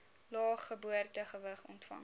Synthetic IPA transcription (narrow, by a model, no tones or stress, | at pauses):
lɑːχːəbuərtəχəvəχɔ̰ntfɐ̰ŋ